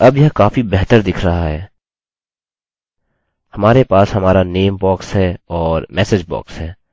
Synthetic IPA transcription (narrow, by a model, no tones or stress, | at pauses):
ɐbjɐɦkaːfibɛɦt̪əɾd̪ɪkʰɾɐɦaɦɛː | hɐmaːɾepaːshɐmaːɾaneːmbɔːksɦɛɔːɾmɛːsed͡ʒbɔ̰ːksɦɛː